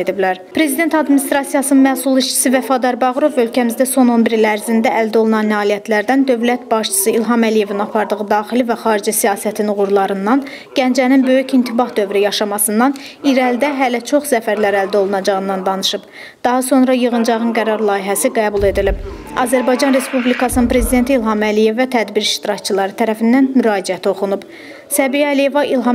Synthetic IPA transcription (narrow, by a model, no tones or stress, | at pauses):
ed̪iblæɾpɾe̞zid̪e̞nt̪ʰɑd̪minist̪ɾɑsijɑsɯnɯnmæsulˠiʃt͡ʃʰi̥sivæfɑd̪ɑɾbɑɣɾo̞vø̞lcʰæmizd̪æso̞no̞nbiɾilæɾzind̪æʔæld̪æo̞lˠunɑnːɑːlijæt̪ʰlæɾd̪ænd̪ø̞vlæt̪̚bɑʃt͡ʃʰɯ̥sɯilɦɑmælije̞vinɑpʰɑɾd̪ɯʁɯd̪ɑːχilivæχɑːɾid͡ʒisijɑːsæt̪ʰinuɣuɾlˠɑɾɯnd̪ɑn | ɟ̥ænd͡ʒæninbø̞jycint̪ʰibɑhd̪ø̞vɾijɑʃɑmɑsɯnd̪ɑn | iɾæld̪æɦælæt͡ʃʰo̞χsæfæɾlæɾæld̪æo̞lˠunɑd͡ʒɑʁɯnd̪ɑnd̪ɑnɯʃɯb̥ | d̪̥ɑɦɑso̞nɾɑjɯɣɯnd͡ʒɑʁɯnɡæɾɑɾlˠɑːjiɦæsiɡæːbulˠe̞d̪ilib | ɑ̰zæɾbɑjd͡ʒɑnɾe̞spublikʰɑsɯnɯnpɾe̞zid̪ent̪ʰiːlˠɦɑmælije̞væt̪ʰæd̪biɾiʃt̪iɾɑct͡ʃʰɯlˠɑɾɯt̪ʰæɾæfind̪ænmyɾɑːd͡ʒiæt̪ʰo̞χunub | sæbijælije̞vɑʔilˠɦɑ